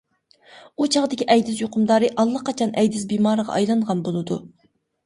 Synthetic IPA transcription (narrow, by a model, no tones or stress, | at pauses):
ut͡ʃʰɑʁd̪ɪkʲiʔɛjd̪ɪsjoqʰʊmd̪ɑːɾɨʔɑlˠːɑqɑt͡ʃʰɑnɛjd̪ɪsbimɑːɾəʁɑ̰ʔɑjlˠɑɴʁɑnbolˠɨd̪ṵ